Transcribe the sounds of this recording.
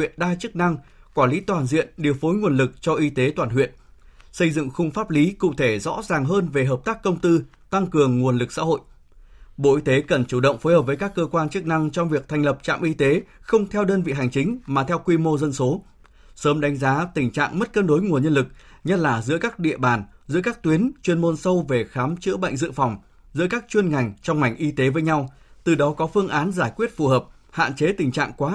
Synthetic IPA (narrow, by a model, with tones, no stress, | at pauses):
ḭ˧˨ənɗaː˧jt͡ɕɨ˦˥k̚na˧ŋkwaː˧˩nli˨˦t̪waː˨˩nzḭ˧˨ənɗi˨˩əwfo˨˦jŋu˨˩ənlɨ˨˩k̚t͡ɕɔ˧ʔi˧t̪e˨˦t̪waː˨˩nhwḭ˧˨ənsə˧jzɨ̰˧˨ŋxʊ˧wŋ͡mfaː˦˥p̚li˨˦kṵ˧˨t̪ʰe˧˩zɔ̰˧˥zaː˨˩ŋɦəː˧nve˨˩ɦəː˨˩p̚t̪aː˦˥kːə˧wŋ͡mt̪ɨ˧ | t̪a˧ŋkɨ˨˩əŋːu˨˩ənlɨ˨˩k̚sa̰ː˧˥hɦo̰˧˨j | ɓo̰˧˨ʔi˧t̪e˨˦kə˨˩nt͡ɕu˧˩ɗə̰˧˨wŋ͡mfo˨˦jhəː˨˩p̚vːjkaː˦˥kːəː˧kwaː˧nt͡ɕɨ˦˥k̚na˧ŋt͡ɕɔ˧wŋ͡mvi˨˩ək̚t̪ʰjŋ̟lə˨˩p̚t͡ɕa̰ː˧˨mʔi˧t̪e˨˦xə˧wŋ͡mt̪ʰɛ˧wɗəː˧nvḭ˧˨ɦa˨˩jŋt͡ɕï˨˦ŋ̟maː˨˩t̪ʰɛ˧wkwi˧mo˧zə˧nso˨˦ | səː˨˦mɗa˨˦jŋ̟zaː˨˦t̪ï˨˩ŋ̟t͡ɕa̰ː˧˨ŋmə˦˥t̚kəː˧nɗo˨˦jŋu˨˩ənɲə˧nlɨ˨˩k̚ | ɲə˦˥t̚laː˨˩zɨ̰˧˥əkaː˦˥k̚ɗḭ˧˨əɓaː˨˩nzɨ̰˧˥əkaː˦˥k̚t̪wi˨˦ənt͡ɕwi˧ənmo˧nsə˧wve˨˩xaː˨˦mt͡ɕɨ̰˧˥ɓə̰˧˨jŋ̟zɨ̰˧˨fɔ˨˩wŋ͡m | zɨ̰˧˥əkaː˦˥k̚t͡ɕwi˧ənŋa˨˩jŋ̟t͡ɕɔ˧wŋ͡mŋa˨˩jŋ̟ʔi˧t̪e˨˦vəː˨˦jɲa˧w | t̪ɨ˨˩ɗɔ˨˦kɔ˨˦fɨ˧əŋʔaː˨˦nzaː˧˩jkwi˦˥ət̚fu˨˩ɦəː˨˩p̚ | ha̰ː˧˨nt͡ɕe˨˦t̪ï˨˩ŋ̟t͡ɕa̰ː˧˨ŋkwaː˨˦